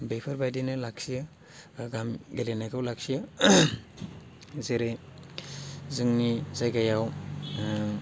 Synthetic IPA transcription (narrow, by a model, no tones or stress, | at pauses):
bejpʰɯɾbajdinɯlaksijɯ | ɡamɡelenajkʰawlak̚sijɯ | zeɾe | zɯŋnizajɡajaw